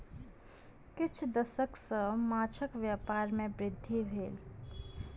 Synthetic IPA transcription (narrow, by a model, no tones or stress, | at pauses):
kɪt͡ʃʰd̪əsəksəmaːt͡ʃʰəkʋjaːpaːɾmẽbɾɪd̪ʱːibʱeːl